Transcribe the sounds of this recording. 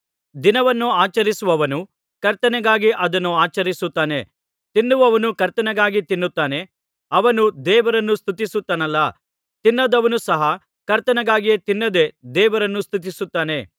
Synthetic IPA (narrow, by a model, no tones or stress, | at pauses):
d̪inɐʋɐnːuaːt͡ʃɐɾisuʋɐʋɐnu | kɐɾt̪ɐnɛɡaːɡiʔɐd̪ɐnːuaːt͡ʃɐɾisut̪ːaːne̞̰ | t̪inːuʋɐʋɐnukɐɾt̪ɐnɛɡaːɡit̪inːut̪ːaːne̞ | ɐʋɐnud̪ɛːʋɐɾɐnːust̪ʰut̪isut̪ːɐnɐlːɐ | t̪inːɐd̪ɐʋɐnusɐɦɐ | kɐɾt̪ɐnɐɡaːɡijet̪inːɐd̪e̞d̪ɛːʋɐɾɐnːust̪ut̪̬isut̪ːaːne̞